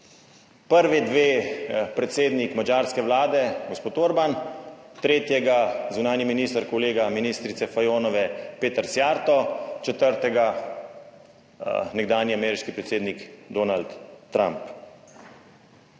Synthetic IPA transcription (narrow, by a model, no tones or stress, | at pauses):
pəɾʋid̪ʋeːpɾɛt̪seːd̪nikmad͡ʒaːɾskɛʋlaːd̪ɛɡospoːt̪oːɾbant̪ɾeːt̪jɛɡazunaːniminiːst̪aɾkoleːɡaminiːst̪ɾit̪sɛfajoːnɔʋɛpeːt̪əɾsjaːɾt̪ɔt͡ʃɛt̪əɾt̪ɛɡa | nɛɡd̪aːnjiamɛːɾiʃkipɾɛt̪seːd̪nikd̪oːnalt̪ːɾa̰mp